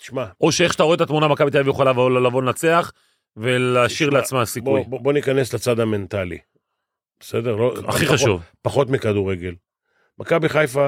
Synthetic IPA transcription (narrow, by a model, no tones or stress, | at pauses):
t̪i̥ʃmaʔo̞ʃeeχʃe̥t̪aʁoet̪at̪munamakabit̪avijuχalavavololavo̞nat͡se̞aχ | ve̞laːʃiʁleat͡smasikujbo̞nikane̞slet͡sad̪ame̞nt̪alḭ | besḛd̪eʁloa̰χiχaʃuvpaχo̞t̪mikad̪uʁeɡe̞l | makabiχajfa